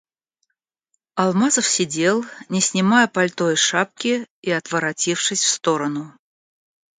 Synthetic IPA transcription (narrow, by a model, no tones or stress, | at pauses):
ɐlˠmazəfsʲɪdʲe̞lˠnʲɪsʲnʲɪmajəpɐlʲt̪ojʂap̚kʲɪiɐt̪vəɾɐtʲifʂɨsʲfst̪o̞ɾənʊ